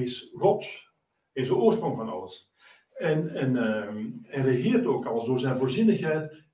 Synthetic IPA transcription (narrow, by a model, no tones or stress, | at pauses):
ɪsrɔt | hɪsdəoːrsproŋvɑnɑ̰ləs | ɛnɛn | ɛrəxɪːrtoːkɑləsdoːrzɛjnvoːrzinəxhɛjt